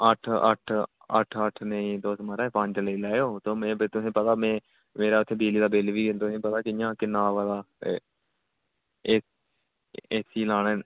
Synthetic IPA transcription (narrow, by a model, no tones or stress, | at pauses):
əʈʰə̰ʈʰ | ə̰ʈʰəʈʰnəĩːt̪osməɾɛːpə̃ɲd͡ʒləiːlɛːjoːt̪oːmẽːbet̪ʊsĩːpət̪aːmɛ̃ː | meːɾaːʊt̪ʰːeːbiːliːd̪aːbeːlʋiːɡɪnt̪ʊsĩːpət̪aːkɪɪjãːkɪnaːʋaːd̪aː | eː | eːsiːlaːñeː